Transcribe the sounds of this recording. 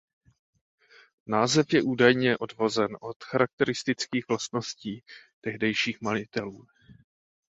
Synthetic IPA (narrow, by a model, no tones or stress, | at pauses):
naːzɛfjɛʔuːdajɲɛʔo̞dvo̞zɛnʔo̞t̪xaɾak̚t̪ɛɾɪst̪ɪt͡skiːɣvlast̪no̞sciːt̪ɛɦdɛjʃiːxmalɪt̪ɛluː